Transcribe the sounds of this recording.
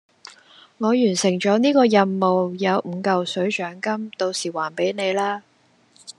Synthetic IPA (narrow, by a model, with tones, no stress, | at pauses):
ŋɔː˨˧jyː˨˩nsɪ˨˩ŋt͡ʃɔː˨˥niː˥kɔː˧jɐ˨˧nmo˨wjɐ˨˧wm̩˨˧kɐ˨wsɵ˨˥ɥt͡ʃœː˨˥ŋkɐ˥mt̪o˧wsiː˨˩waː˨˩npe˨˥jne˨˧jlaː˥